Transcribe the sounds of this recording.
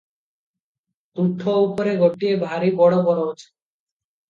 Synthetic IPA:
t̪uʈʰːoupoɾeɡʱoʈːiebʱaɾibɔɽobɔɾoot͡ɕʰe̥

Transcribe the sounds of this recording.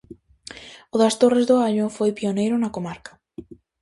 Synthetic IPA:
ʊðɐst̪orezðʊaʎʊfojpionejɾʊnɐkomaɾkɐ̥

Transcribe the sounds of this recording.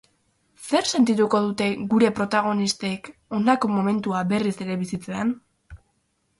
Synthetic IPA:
se̞rse̞nt̪it̪uko̞ðut̪e̞ɣuɾe̞pɾo̞t̪aɣ̞o̞nist̪e̞ko̞nako̞mo̞me̞nt̪uabe̞rise̞ɾe̞βisit͡se̞an

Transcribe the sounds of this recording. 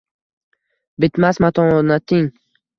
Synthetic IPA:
bɪt̪masmat̪ʰɒnnat̪ʰɪŋ

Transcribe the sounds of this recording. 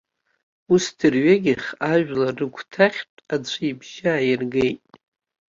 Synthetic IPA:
ustʰɨrɥaɡʲɪχaʒᶣlarɨɡʷʰtʰaχʲtʼat͡sʷʰɨibʒaːjɪrɡejtʼ

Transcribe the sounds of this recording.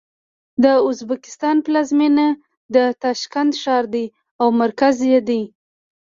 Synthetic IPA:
d̪əʊzbakɪ̥st̪ɑnplɑzmina | d̪ət̪ɑʃkand̪ʃɑɾd̪e | awmaɾkazjed̪i

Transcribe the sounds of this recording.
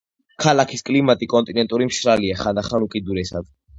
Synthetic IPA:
kʰalakʰiskʼlimat̪ʼikʼɔnt̪ʼinɛnt̪ʼuɾimʃɾaliaχand̪aχanukʼid̪uɾɛsa̰d̪̥

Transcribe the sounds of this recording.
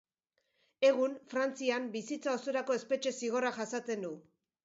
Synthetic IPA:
e̞ɣ̞unfɾant͡siambisit͡sao̞soɾako̞e̞spe̞t͡ʃe̞siɣ̞o̞raʝasat͡se̞nd̪u

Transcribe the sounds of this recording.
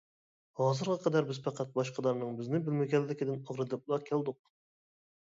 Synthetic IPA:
hɑːzɨɾʁɑqʰɑd̪æɾbɪz̥pʰɑqʰæt̪̚bɑʃqʰɑd̪ɑɾnɨŋbɪznɪbɪlmɪɡʲɛlːɪkʲɪd̪ɪnɑʁɾɨd̪ɨp̚ulˠɑɾkʲʰælˠd̪ʊq̚

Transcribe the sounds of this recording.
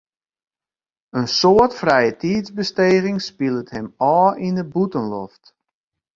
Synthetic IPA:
ənsoətfrɛjətiːzbəsteːɣɪŋspilˠəthɛmɔːʔindəbutənlɔft

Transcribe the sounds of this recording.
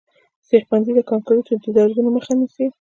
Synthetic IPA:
sexpanzid̪əkɑŋkoɾot̪əd̪id̪ɑɾzunoməxanisi

